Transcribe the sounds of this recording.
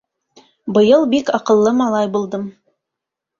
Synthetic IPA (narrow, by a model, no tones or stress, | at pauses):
bɤ̆jɤlˠbikɑqɤ̆lˠːɤmɑlˠɑjbulˠd̪ɤm